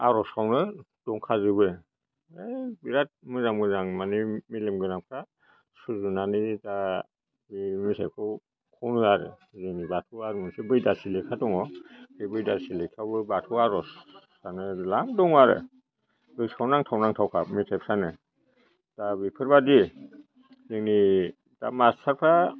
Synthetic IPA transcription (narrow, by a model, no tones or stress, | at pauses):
aɾɔskʰawnɯ | d̥ɔŋkʰazɯbɯ | ebiɾat̚mɯzamɡɯzaŋmanɯmilemɡɯnamkʰa | suzunanita | bimisʰajpkʰɔw | kʰɔwnɯaɾɯ̰ | zɯnibatʰuwaɾmɯnsɯbɯjdasilekʰatɔŋɔkɯjbɯjdasilekʰawbɯbatʰɔwaɾɔsː | anɯlamdɔŋaɾɯ̰ | bɯjsʰawnaŋtʰawnaŋtʰawkʰamisʰajpʰsanɯ | tabipʰɯɾbadi | zɯŋni | ta̰mastʰaɾpʰa